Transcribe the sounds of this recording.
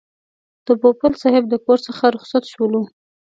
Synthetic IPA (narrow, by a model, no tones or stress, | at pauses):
d̪̥əpopəlsɑɦɪbd̪əkoɾsəxaɾʊxsat̪ʃwolu